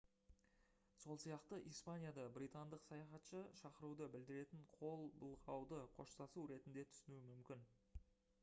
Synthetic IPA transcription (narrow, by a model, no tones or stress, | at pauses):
so̞lˠsijɑqt̪əʔijspanʲijad̪ɑbɾijt̪and̪əqsɑjɑχɑt̪ʃəʃɑqəɾud̪əbɪld̪ɪɾe̞t̪ɪɴqʰo̞lˠbəlˠʁɑwd̪əqʰo̞̰ʃsɑsuwɾe̞t̪ɪnd̪e̞t̪ʰʏ̥sɪnuwɪmʏmkʲɪn